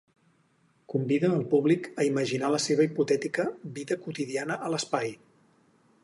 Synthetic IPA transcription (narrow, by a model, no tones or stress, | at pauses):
kumbiðənəlˠpuβlikəiməʒinaləseβ̞əiput̪ɛt̪ikəβiðəkut̪iðianəʔələspaj